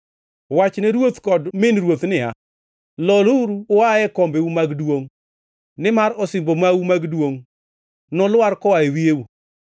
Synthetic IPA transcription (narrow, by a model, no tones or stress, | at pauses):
wat͡ʃnɛɾwot̪kɔdmɪnɾwot̪nɪa̰ | lɔluɾuaɛkɔmbeumaɡdwoŋ | nɪmaɾɔsɪmbomawumaɡdwoŋ | nɔlwaɾkɔaewieu